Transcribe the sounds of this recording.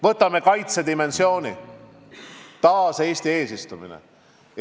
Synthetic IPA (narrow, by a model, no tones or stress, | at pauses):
vɤt̪ːˑɑme̞kɑjt̪se̞d̪ime̞nsjo̞ːni | t̪ɑːse̞ːsʲt̪ie̞ːsist̪umḭnḛ